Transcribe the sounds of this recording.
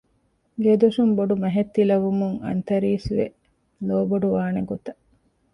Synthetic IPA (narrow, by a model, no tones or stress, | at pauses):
ɡed̪uʂumboɖumɐɦet̪ːilɐʋumuŋɐ̰nt̪ɐɾiːsʋḛ | loːboɖuʋaːneɡot̪ɐ̥